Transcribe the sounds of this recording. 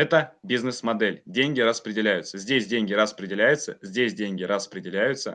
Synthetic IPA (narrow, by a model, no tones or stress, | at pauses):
ɛt̪əbʲiznɨsmɐd̪ɛlʲdʲenʲɡʲɪɾəspɾʲɪdʲɪlʲæjʊt̪səzʲdʲesʲdʲenʲɡʲɪɾəspɾʲɪdʲɪlʲæjʊt̪səzʲdʲesʲdʲenʲɡʲɪɾəspɾʲɪdʲɪlʲæjʊt̪sə̰